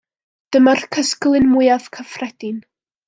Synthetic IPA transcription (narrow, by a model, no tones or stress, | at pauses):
d̥əmarkʰəsklˠɨnmʊjað̥kʰəfrɛd̥ɪn